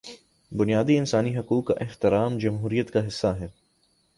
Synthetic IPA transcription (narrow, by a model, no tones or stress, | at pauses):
bʊnijaːd̪iɪnsaːniɦɐkuːkːa̰ʔɪht̪ɪɾaːmd͡ʒɐmɦuːɾijət̪kaɦɪsːaɦɛː